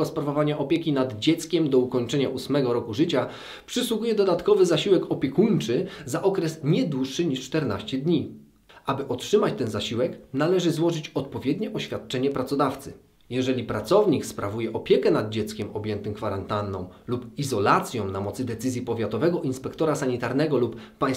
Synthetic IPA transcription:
ɔspɾavɔvaɲaʔɔpʲjɛkʲinad̪d͡ʑɛt̪skʲɛmd̪ɔukɔɲt͡ʂɛɲaʔusmɛɡɔɾɔkuʐɘt͡ɕa | pʂɘswuɡujɛd̪ɔd̪at̪kɔvɘzaɕiwɛkɔpʲjɛkuɲt͡ʂɘzaʔɔkɾɛsɲɛd̪wuʂːɘɲiʂt͡ʂt̪ɛɾna̰ɕt͡ɕɛd̪ɲi | abɘʔɔtʂɘmat͡ɕt̪ɛnzaɕiwɛknalɛʐɘzwɔʐɘt͡ɕɔt̪pɔvʲjɛd̪ɲɛʔɔɕfʲjat̪̚t͡ʂɛɲɛpɾat̪sɔd̪aft̪sɘ | jɛʐɛlʲipɾat̪sɔvɲikspɾavujɛʔɔpʲjɛkɛnad̪̚d͡ʑɛt̪skʲɛmɔbʲjɛnt̪ɘmkfaɾant̪anːɔ̰̃w̃lupizɔlat̪sʲjɔ̃w̃namɔt̪sɘd̪ɛt̪sɘzʲjipɔvʲjat̪ɔvɛɡɔʔinspɛkt̪ɔɾasaɲit̪aɾnɛɡɔlupːaj̃s

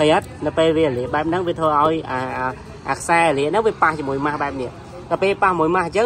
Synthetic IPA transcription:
həjət̪̚nɨwpeːlʋiəəliəhɓaɛp̚nɨŋʋiət̪ʰʋəːʔaɔjʔaʔə | ʔaːkʰsaɛaliəʔnɨŋʋiəpaht͡ɕiəmuəjmahɓaɛp̚niəʔ | ɗ̪aəpeːpahmuəjmaht͡ɕə

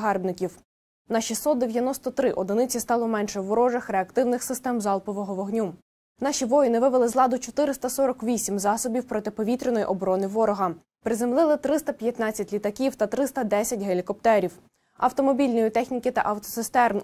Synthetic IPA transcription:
ɦɑrbnɪkʲiw | nɑʃisːɔt̪̚d̪eʋʲjɐnɔst̪ɔt̪ɾɪʔɔd̪ɪnɪt͡sʲist̪ɑlˠɔmɛnʃɛʋɔɾɔʒɐxɾeɐkt̪ɪwnɪxsɪst̪ɛmzɑlˠpɔʋɔɦɔʋɔɦnʲu | nɑʃʲiʋɔjinɪʋɪʋelˠɪzlˠɑd̪ʊt͡ʃɔt̪ɪɾɪst̪ɐsɔɾɔkʋʲisʲimzɑsɔbʲiwpɾɔt̪ɪpɔʋʲit̪ɾʲɪnɔjʔɔbɾɔnɪʋɔɾɔɦɐ | pɾɪzemlˠɪlˠɪt̪ɾɪst̪ɐpʲjɐt̪nɑt͡sʲːɐtʲlʲit̪ɐkʲiwt̪ɐt̪ɾɪst̪ɐd̪ɛsʲɐt̚ʲɦelʲikɔp̚t̪ɛɾʲiw | ɐwt̪ɔmɔbʲilʲnɔjit̪ɛxnʲikɪt̪ɐ̰ʔɐwt̪ɔsɪst̪ɛrn

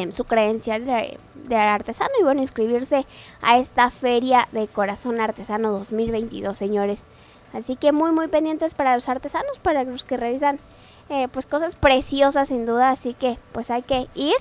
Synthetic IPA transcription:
sukɾe̞ensjale | d̪eaɾt̪e̞sa̰noiβwe̞noinskɾiβ̞iɾse̞ | a̰e̞st̪afe̞ɾjaðe̞ko̞ɾaso̞naɾt̪e̞sano̞ðo̞zmilβe̞jnt̪ḭðo̞sːe̞ɲo̞ɾe̞s | asike̞mujmujpend̪jent̪espaɾalo̞saɾt̪e̞sano̞spaɾaloske̞realisan | epwe̞sko̞saspɾe̞sjo̞sasːind̪uðaːsike̞pwe̞sajke̞iɾ

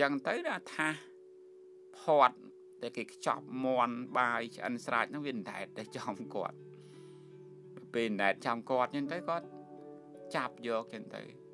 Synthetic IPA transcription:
t͡ɕəŋt̪əwnat̪ʰah | pʰoət̪̚ | ɗaɛlkeːkʰt͡ɕɑ̰p̚moənɓaːjt͡ɕʰʔə̰nsra̰ːc̚nɨŋʋiənda̰ɛt̪̚ɗɨt͡ɕɑmkŏət̪̚ | nɨpeːlndaɛt̪̚t͡ɕɑmkŏət̪̚t͡ɕəŋt̪əwkŏət̪̚ | t͡ɕap̚jɔːk̚t͡ɕəŋt̪ə̰w

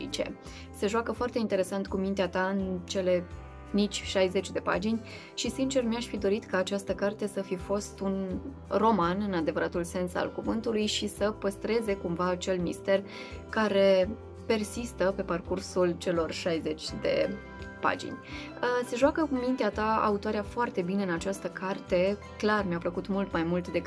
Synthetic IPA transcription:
t͡ʃe̞̰ | se̞ʒwakəfoart̪e̞int̪e̞ɾe̞sant̪̚kumint̪eat̪aɨnt͡ʃe̞le̞ | nit͡ʃʲʃajze̞t͡ʃʲd̪e̞pa̰d͡ʒinʲ | ʃisint͡ʃe̞rmiaʃfid̪o̞ɾit̪kaːt͡ʃast̪əkart̪e̞səfifo̞st̪un | ro̞manɨnad̪e̞vəɾat̪ulse̞nsa̰lkuvɨnt̪ulujʃisəpəst̪ɾe̞ze̞kumvaːt͡ʃe̞lmist̪e̞r | kaɾe̞ | pe̞rsist̪əpe̞parkursult͡ʃe̞lo̞rʃajze̞t͡ʃʲd̪e̞̰ | pa̰d͡ʒḭnʲ | se̞ʒoakəkumint̪eat̪aa̰ut̪oaɾeafoart̪e̞bineɨnat͡ʃast̪əkʰart̪e̞ | klarmʲjapləkut̪mult̪majmult̪d̪e̞k

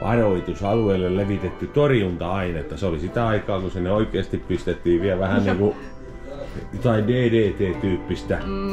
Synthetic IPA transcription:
ʔɑ̰roit̪usɑlueilːelleʋit̪et̪ːyt̪orjunt̪ɑɑinet̪ːæseolisit̪æɑikɑːkusinːeoikˑeːst̪ippist̪et̪ːiːʋʋiæʋæhænniːŋku | jot̪ɑindeːdeːt̪eːt̪yːpːist̪æ

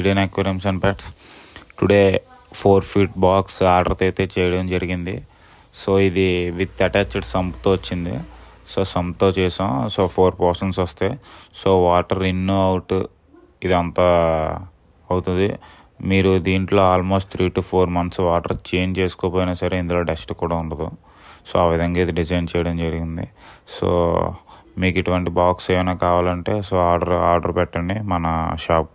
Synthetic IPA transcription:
iɽenakʋɐɾemʃɐnpaːʈsʈuɽe̞ː | pʰoːɾpʰiːʈbaːksaːɾɖɐɾt̪ɐjt̪eːt͡ʃɛːjɐɽɐmd͡ʒɐɾiɡind̪ḭ | soːid̪iʋid̪ɐʈaːt͡ʃɐɖsɐmpt̪oːʋɐt͡ʃːind̪ḭ | soːsɐmpt̪oːt͡ʃɛːsɐmsoːpʰoːɾpɐːɾsɐɳʈsʋɐst̪eːsoːʋaːʈɐɾinːoːɐwuʈu | id̪ɐnt̪aː | ɐwut̪und̪ḭ | miːɾud̪iːɳʈlo̞ːaːlmoːsʈ̚t̪ʰɾiːʈupʰoːɾmɐnt̪sʋaːʈɐɾt͡ʃeːnt͡ʃeːsu̥koːpoːjinaːsɐɾe̞ːind̪ulo̞ːɖesʈkuːɽaːuɳʈɐd̪u | so̰ːaːʋid̪ʱɐŋɡaːid̪iɖid͡ʒɐjnt͡ʃɛːjɐɽɐmd͡ʒɐɾiɡind̪ḭso̰ː | miːkiʈuʋɐɳʈibaːkseːʋɐnaːkaːʋaːlɐɳʈe̞ːsoːaːɾɖɐɾa̰ːɾɖɐɾpɛʈːɐɳɖimɐnɐʃaːp̚

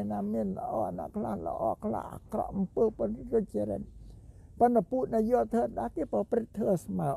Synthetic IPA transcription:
naːmiənlə̰ʔɑːʔana̰ʔkʰlahlə̰ʔɑ̰ːkʰla̰hʔa̰krɑ̰ʔʔɑmpəːponroc̚t͡ɕəɾə̰t̪̚pont̪apuːʔ̪̚najoəlt̪ʰəːɗakeːprɑprɨt̪ʰːəːəsmaə

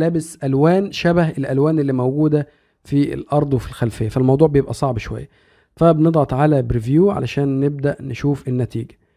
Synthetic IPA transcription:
læːbɪsʔælwæːnʃæbæɦelʔælwæːnelːiːmæwɡuːd̪æ | fḭlʔɑɾˤd̪ˤwefilxælfejːæfælmɑwd̪ˤuːʕbejebʔæsˤɑʕbʃowæ̰jːæ | fæbened̪ˤʕɑt̪ˤʕalæbɾivjuːʕa̰læʃæːnːeb̚d̪æʔneʃuːfenːæt̪ḭːɡæ̥

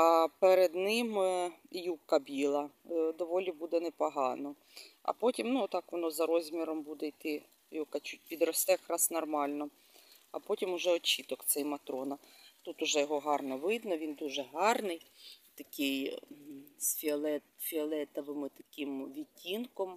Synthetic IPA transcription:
ɑpeɾed̪nɪmjukɐbʲilˠɐd̪ɔʋɔlʲibud̪ɛnɛpɔɦɑnɔ | ɐ̰pɔtʲimnut̪ɑkʋɔnɔzɐɾɔzʲmʲiɾɔmbud̪ɛjt̪ɪ | jɔkɐt͡ʃut̚ʲpʲid̪ɾɔst̪ɛjɐkɾɑsnɔrmɑlʲnɔ | ɐ̰pɔtʲimʊʒɛɔt͡ʃit̪ɔkt̪sɛjmɐt̪ɾɔnɐt̪ut̪ʊʒɛjɔɦɔɦɑrnɔʋɪd̪nɔʋʲind̪uʒɛɦɑrnɪjt̪ɐkʲɪj | sʲfʲiɔlˠɛt̪fʲiɔlˠɛt̪ɐʋɪmɪt̪ɐ̥kʲɪmʋʲitʲːinkɔm

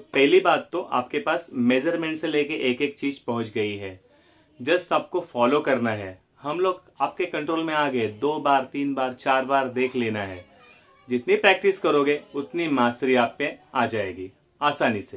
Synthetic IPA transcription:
pɛɦlibaːt̪ːoʔa̰ːpkepaːsmed͡ʒəɾmɛ̃ɳʈseleːkeʔeːkeːk̚t͡ʃiːzpɐ̃ɦʊ̃t͡ʃɡɐiɦɛː | d͡ʒɐsaːb̚kofɔːlokɐɾnaɦɛː | hɐmloːɡ | aːp̚kekɐ̃ɳʈɾoːlmẽaːɡəed̪oːbaːɾt̪iːnbaːɾt͡ʃaːɾbaːɾd̪eːkʰleːnaɦɛː | d͡ʒɪt̪nipɾɛːk̚ʈɪskɐɾoːɡeʊt̪nimaːst̪ɾiaːp̚mẽaːd͡ʒaːeːɡiː | aːsaːniseː

